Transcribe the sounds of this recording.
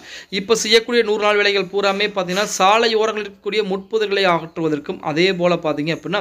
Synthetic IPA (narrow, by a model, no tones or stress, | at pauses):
ɪpːoːsɛjːɐkːuːɽɪjɐnuːɾnaːɭʋɪɭɐɪɣɐɭpuːɾaːmeːpaːɾt̪iŋɡɐnːaːsaːlɐjoːɾɐŋɡɐɭɪɾkːɐ̥kːuːɽɪjɐmʊʈ̚pɐðɯɾɣɐɭɐɪaːɣɐʈrɯʋɐðɐrkɯmɐ̰ðeːp̬oːlɐpaːɾt̪iŋɡɐɐpːɽɪnːaː